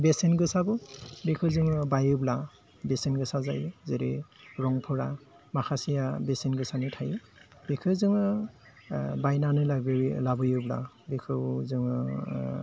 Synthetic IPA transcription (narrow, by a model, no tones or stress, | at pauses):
besenɡɯsabɯbekʰɯwzɯŋɯbajɯbla | besenɡɯsaza̰jzeɾḭɾɔŋpʰɯɾa | makʰasijabesenɡɯsanitʰaj | bekʰɯwzɯŋɯ | bajnanɯlaɡɯlabɯjɯbla̰ | bekʰɯwzɯŋɯ